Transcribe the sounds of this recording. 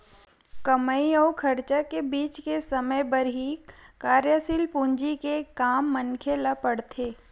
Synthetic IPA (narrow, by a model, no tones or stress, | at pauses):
kəməiɔːkʰɐɾt͡ʃakebiːt͡ʃkesɐməjbəɾɦikaːɾjəsɪlpũɲd͡ʒikekaːmːənkʰelapɐɽt̪ʰeː